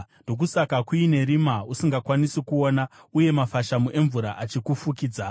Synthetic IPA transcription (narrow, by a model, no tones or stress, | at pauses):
ndo̞k̬usakakwuine̞ɾimausiŋɡakwanisikuo̞nauje̞mafaʃamuʔe̞ɱvuɾaʔat͡ʃikufukiːd͡za